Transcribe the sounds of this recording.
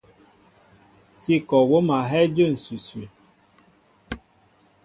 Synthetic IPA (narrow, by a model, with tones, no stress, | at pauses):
si˦kɔ˨wo˦ma˨ɦɛ˦d͡ʒə˦˨n̩˨sʉ˨sʉ˨